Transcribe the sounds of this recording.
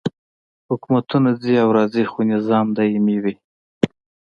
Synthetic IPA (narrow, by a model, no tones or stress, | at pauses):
hʊkmat̪unad͡ziawɾɑzixunɪzɑmd̪ɑimiwi